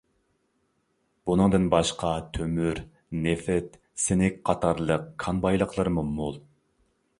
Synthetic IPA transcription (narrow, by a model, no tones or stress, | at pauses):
b̥unɨŋd̪ɨnbɑʃqʰɑt̪ʰømyɾ | nɪfɛt̪ | sɪnɪk̚ʲqʰɑt̪ʰɑɾlˠəq̚kʰɑnbɑjlˠəqʰlˠəɾmumulˠ